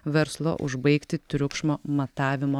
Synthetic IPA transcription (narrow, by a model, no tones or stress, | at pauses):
ʋʲɛɾslˠo̰ʔʊʒbɐɪkt̪ʲɪt̪ʲɾʲʊkʃmoːmɐt̪ɑːʋʲɪmoː